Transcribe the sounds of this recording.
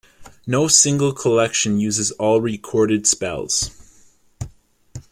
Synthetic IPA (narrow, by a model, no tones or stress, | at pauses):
noʊsɪ̃ŋɡl̩ˠkʰəlɛkʃɨ̃njʉzɨzɔlˠɹikʰɔɹɾɨd̥spɛ̰lˠz̥